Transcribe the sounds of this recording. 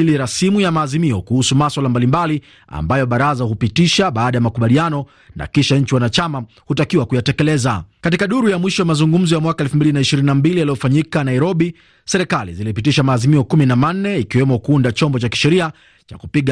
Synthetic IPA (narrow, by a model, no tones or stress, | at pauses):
iliɾasimujamaːzimiɔkuhusumaswalambalimbali | a̰mbajɔɓaɾazahupitiʃaɓaːɗajamakuɓalianɔ | na̰kiʃaɲ̩t͡ʃiwanat͡ʃama | hutakiwakujatɛkɛlɛzakatikaɗuɾujamwiʃɔwamazuŋɡum̩zɔjamwakaɛlfumbilinaiʃiɾininambilijalijɔfaɲikanaiɾɔɓi | sɛɾɛkalḭzilipit̬iʃamaːzimiɔkuminaman̩nɛikiwɛmɔkuundat͡ʃɔmbɔt͡ʃaki̥ʃɛɾia | t͡ʃa̰kupiɠ